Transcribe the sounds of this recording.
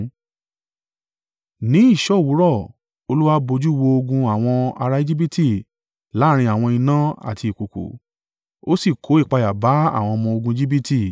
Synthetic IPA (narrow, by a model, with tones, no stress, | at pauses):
nĩ˨˦i˦˨ʃɔ˦˨wu˨˦ɾɔ˦˨ | o˧lu˦wa˦bo˧d͡ʒu˦˧wo˧o˧ɡũ˧a˨w̃ɔ̃˧a˧ɾa˧i˦d͡ʒi˦bi˦tʰi˦˨ | la˨˦˧ɾ̃ĩ˧a˨w̃ɔ̃˧i˧nã˦a̰˦˨ti˧i˨ko˨kṵ˨˦ | o˦si˦˨kʰo˨˦i˦˨k͡pa˧ja˨ba˨˦a̰˦˨w̃ɔ̃˧mɔ̃˧o˧ɡũ˧i˧˦d͡ʒi˦bi˦ti˦˨